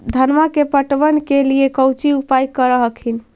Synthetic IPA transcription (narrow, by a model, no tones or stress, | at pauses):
d̪ʱənmakepəʈbənkeliekəwt͡ʃiupajkəɾəɦəkʰin